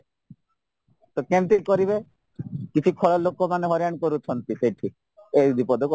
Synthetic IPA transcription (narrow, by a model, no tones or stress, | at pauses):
t̪ɔkemt̪ikɔɾibe | kit͡ʃʰikʰɔɭɔlokomaneɦɔɾjankɔɾut͡ʃʰɔnt̪isejʈʰi | eb̪ipɔd̪ʱɔkɔ